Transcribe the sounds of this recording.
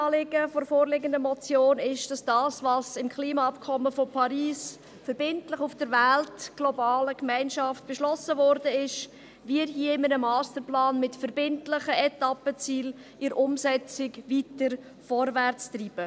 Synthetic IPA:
ɑːlɪɡəfoɾfoːɾlɪɡəndəmɔt͡sjoːnɪʃd̥ɑsd̥ɑːsvɑsɪmkχliːmɑɑpkʰɔməfopʰɑɾiːs | fəɾb̥ɪntləχufd̥əɾvæltɡ̥lɔbɑːləkmɛɪnʃɑft̚b̥ɛʃlɔsəvɔɾdəɪʃ | viːɾɦiəɪmənəmɑːstəɾplɑːnmɪtfəɾbɪntlɪχəɛtɑpət͡siːl | ʔɪɾʔʊmsɛt͡sɪkvitəɾ | fɔɾvært͡striːb̥ə

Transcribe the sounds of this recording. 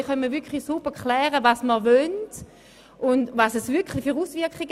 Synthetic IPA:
χœnmivʏɐkʰχlisubəkʰlɛːʁəvasməvœnt | ʔʊndvasɛsvʏɐkχlifyːʁuːsvɪɐkχiɡ

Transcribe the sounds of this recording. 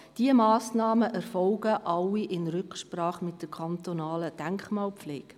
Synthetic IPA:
d̥iəmɑːsnɑːməʔɛɾfɔlɡəʔɑlːiʔɪnɾʏkʃprɑːχmɪt̚d̥əɾkʰɑnt̪onɑːləd̥æŋkχmɑːlpfleːɡ̥

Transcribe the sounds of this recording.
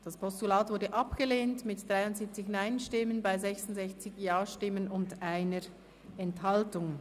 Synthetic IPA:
d̥aspʰɔstulaːtvʊɾdəʔɑpɡ̥əleːntmɪtd̥ʁaɪʊntz̥ip̚t͡sɪçnaɪnʃtɪmənbaɪzɛçsʊntzɛçt͡sɪçjaːʃtɪmənʊndaɪnəɹ | ɛnthɑltʊŋ

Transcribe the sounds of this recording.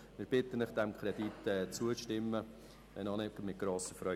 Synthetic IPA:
mɪɾb̥ɪt̪ːənəχd̪̥ɛmkʰɾɛd̥it̪ːɛːt͡suəʃtɪmːə | ʋɛnɑnɛkəmɪt̚ɡ̥ɾoːsəfɾœ

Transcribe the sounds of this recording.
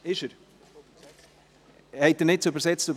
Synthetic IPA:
ɪʃəɾ | hɛɪt̚ːənɪt̚t͡søbəɾsɛt͡støb

